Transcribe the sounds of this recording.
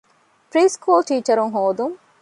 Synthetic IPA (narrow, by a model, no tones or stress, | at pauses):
pɾiːskuːlʈiːt͡ʃɐɾuŋɦoːd̪uŋ